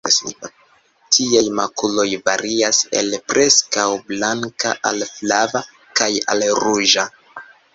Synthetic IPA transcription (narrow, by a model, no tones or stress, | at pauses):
tʰiajmakulo̞jvaɾiase̞̰lpɾʔe̞skawblaŋka̰ʔa̰lflava | kaja̰lɾuʒa